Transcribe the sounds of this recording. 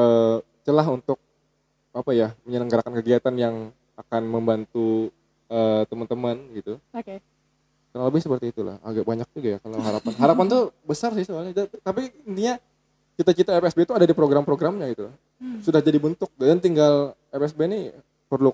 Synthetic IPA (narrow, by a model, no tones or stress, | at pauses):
ə | t͡ʃəlaɦunt̪ʊk̚ | apajaməɲələŋɡaɾakankəɡiat̪anjaŋ | akanməmbant̪u | əːt̪əmənt̪əmənɡit̪u | t̪anaŋləbɪhsəpərt̪iːt̪ula̰ha̰ɡaʔbaɲak̚d͡ʒuɡajakalaɦaɾapanɦaɾapant̪ubəsarsɪhsualɲadt̪apiənt̪iɲa | kit̪at͡ʃit̪aepɛsbet̪uadadipɾoɡɾampɾoɡɾamɲaɡit̪ulah | sudahd͡ʒadibənt̪ʊk̚ddant̪iŋɡal | epɛsbeni | pərlʊ